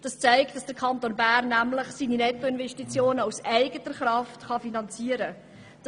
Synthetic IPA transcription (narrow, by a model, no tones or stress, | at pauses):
d̥ɑst͡sæɪkt̚dɑsd̥əɾkʰɑntonbæːrnːæmlɪχsiːninɛtːoɪnvɛʃtit͡sjoːnəusæɪɡətəɾχɾɑftχɑfinɑnt͡siəɾə | d̥